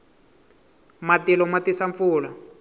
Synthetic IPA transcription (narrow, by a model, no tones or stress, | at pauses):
matilɔmat̪isaɱfuːla